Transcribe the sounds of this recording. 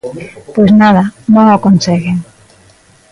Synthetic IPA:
pweznaðanõŋakonseɣeŋ

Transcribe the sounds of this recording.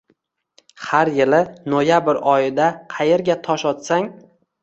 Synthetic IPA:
haɾjɪlɪnojabɪɾɒjɪd̪aqʰɑjeɾɡʲat̪ʰɒʃɒt̪saŋ

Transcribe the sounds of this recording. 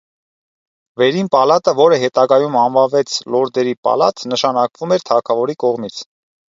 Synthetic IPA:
vɛɾinpɑlɑt̪əvɔɾəɦɛt̪ɑɡɑjumɑnvɑnvɛt͡sʰlɔɾd̪ɛɾipɑ̰lɑ̰t̪nəʃɑnɑkvumɛɾt̪ʰɑkʰɑvɔɾikɔʁmit͡sʰ

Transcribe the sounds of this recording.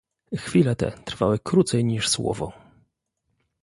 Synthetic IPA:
xfʲilɛt̪ɛ̰t̪ɾfawɘkɾut̪sɛjɲiʂswɔ̰vɔ

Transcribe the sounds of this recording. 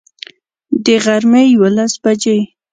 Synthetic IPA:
d̪əɣaɾmejwalasbad͡ʒe

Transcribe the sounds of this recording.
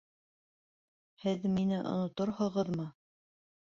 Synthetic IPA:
hɘðminɘʔŏ̰nŏt̪ŏɾhɤ̆ʁɤðmɤ

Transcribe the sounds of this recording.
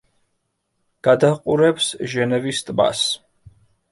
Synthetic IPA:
ɡ̥ad̪aqʼuɾɛpsʒɛnɛvist̪ʼma̰s

